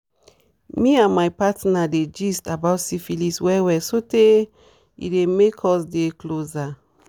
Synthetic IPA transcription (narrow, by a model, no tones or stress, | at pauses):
miãnmajpatnaded͡ʒistabaʊtsifiliswɛwɛsote | ḭdemekʰɔsdekloza